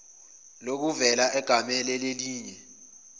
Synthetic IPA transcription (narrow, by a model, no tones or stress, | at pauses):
lok̬uvɛlaʔɛɡ̥ʱamɛlɛleliːɲɛ